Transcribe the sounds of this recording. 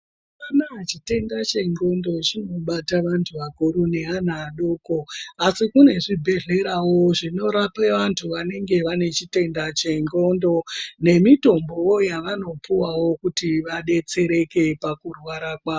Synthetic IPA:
anaɦat͡ʃite̞ndat͡ʃe̞ŋɡo̞ndo̞t͡ʃino̞ɓataʋantʰuʋakoɾune̞ɦan̤aːɗoːko̞asikune̞ʐibʱe̞ɮe̞ɾawo̞ʐino̞ɾapeʋantʰuʋane̞ŋɡe̞ʋane̞t͡ʃite̞ndat͡ʃe̞ŋɡo̞ndo̞ne̞mito̞mbo̞wo̞jaʋano̞puwawo̞kutiʋaɗe̞t͡se̞ɾe̞ke̞pakurwaɾakwaːo

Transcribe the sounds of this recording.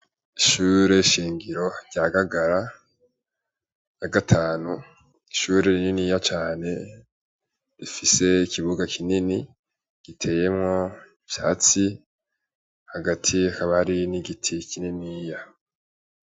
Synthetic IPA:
iʃuːɾe̞iʃiːŋɡiɾo̞ɾɟaɡaɡaɾa | jaɡatʰaːnu | iʃuːɾe̞ɾininijat͡ʃaːne̞ | ɾifise̞ikiβuɡakʰinini | ɡ̥itʰe̞ːje̞mŋo̞iv̥ja̰ːt͡si | haɡatʰiakaβahaɾiniɡitʰikininija

